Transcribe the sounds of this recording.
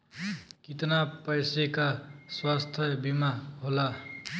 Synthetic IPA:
kit̪napəjsekaswast̪ʰjəbimaɦola

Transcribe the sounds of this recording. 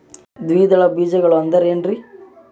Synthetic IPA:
d̪ʋiːd̪ɐɭɐbiːd͡ʒɐɡɐɭuɐnd̪ɐɾeːnɾi

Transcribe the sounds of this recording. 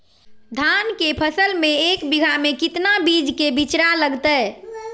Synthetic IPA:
d̪ʱankepʰəsəlmeekbiɡʱamekit̪nabid͡ʒkebit͡ʃɾaləɡt̪ə

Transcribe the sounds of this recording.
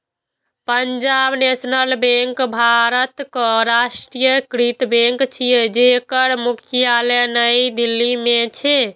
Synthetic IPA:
pəɲd͡ʒabnesnəlbẽŋkbʱaɾət̪kɔɾasʈɾijəkɾit̪bẽŋkt͡ʃʰijed͡ʒekəɾmukʰijalənəjd̪ilːimet͡ʃʰe

